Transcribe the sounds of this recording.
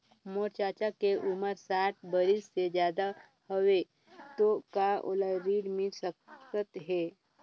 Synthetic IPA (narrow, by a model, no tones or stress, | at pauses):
moːɾt͡ʃaːt͡ʃakeʔʊməɾsaːʈ̚bəɾɪsːed͡ʒjaːd̪a | hoʋe | t̪okao̰laɾiːɖmɪ̃səkːət̪ɦɛː